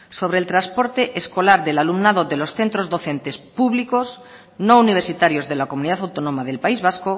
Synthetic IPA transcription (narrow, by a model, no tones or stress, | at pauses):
so̞β̞ɾeːlt̪ɾaspo̞ɾt̪eʔesko̞laɾðelalumnaðoðelo̞sθe̞nt̪ɾo̞zðo̞θẽ̞nt̪e̞spuβlikos | nouniβeɾsit̪aɾjozðe̞lakomũniðaθawt̪onõmaðe̞lpaizβ̞asko